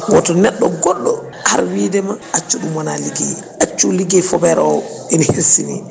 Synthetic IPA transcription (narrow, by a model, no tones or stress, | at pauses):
wɔtɔnɛɗːɔɡɔɗːɔ | ha̰ɾwiːdɛmaat͡ʃːuɗumanaliɡḭ | at͡ʃːuliɡɛfɔbɛɾɔ | ɛnahesinḭ